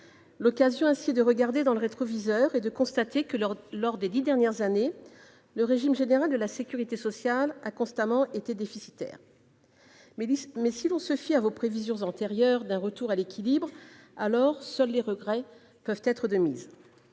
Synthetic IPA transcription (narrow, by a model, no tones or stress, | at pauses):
lɔkazjɔ̃ɛ̃siɛd̪əʁəɡaʁd̪ed̪ɑ̃ləʁet̪χɔvizœʁed̪əkɔ̃st̪at̪ekəlɔʁd̪ed̪id̪ɛʁnjɛʁzane | ləʁeʒimʒeneʁald̪əlasekʲyʁit̪esɔsjalakɔ̃st̪amɑ̃ʔet̪ed̪efisit̪ɛ̰ːʁ | mɛsilɔ̃səfiavopχevizjɔ̃zɑ̃t̪eʁjœʁd̪ɛ̃ʁət̪uʁalekʲʰilibʁalɔʁsœlːeʁəɡʁɛ | pœvt̪ɛt̪χəd̪əmḭz